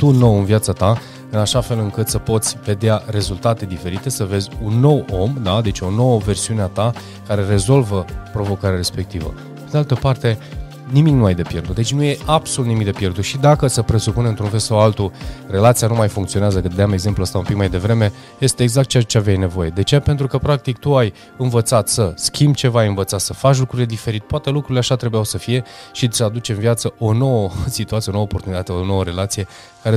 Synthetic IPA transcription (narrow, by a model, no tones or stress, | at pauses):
t̪uno̞wɨnvjat̪sat̪a | ɨnaʃafe̞lɨŋkɨt̪səpo̞t̪sʲve̞d̪eaɾe̞zult̪at̪e̞d̪ife̞ɾit̪e̞səve̞zʲunːo̞wo̞md̪ad̪e̞t͡ʃo̞no̞wəve̞rsiuneat̪a | kaɾe̞ɾe̞zo̞lvəpɾo̞vo̞kaɾeaɾe̞spe̞k̚t̪ivə̰ | pe̞d̪ealt̪əpart̪e̞ | nimiknuajd̪epje̞rd̪ut̪d̪et͡ʃʲnuje̞ʔab̥so̞lut̪nimik̚d̪e̞pje̞rd̪uʃid̪akəsəpɾe̞supuneɨnt̪ɾunfe̞lsawalt̪ure̞lat̪sijanumajfuŋkt̪sio̞neazəkɨt̪d̪eame̞ɡze̞mpluəst̪aumpikmajd̪e̞vɾe̞me̞ | je̞st̪e̞ːɡzakt̪t͡ʃeat͡ʃeavjajne̞vo̞je̞d̪e̞t͡ʃejape̞nt̪ɾukəpɾak̚t̪ikt̪uaj | ɨnvət̪sat̪səskʲʰimb̚t͡ʃe̞vaajɨnvət̪sat̪səfat͡ʃlukɾuɾile̞d̪ife̞ɾit̪̚poat̪e̞lukɾuɾileaʃat̪ɾe̞bujawsəfije̞ʃisəad̪ut͡ʃenvjat̪səo̞no̞wəsit̪uat̪ijonoopo̞rt̪unit̪at̪eo̞no̞wəɾe̞lat̪sije̞ | kaɾe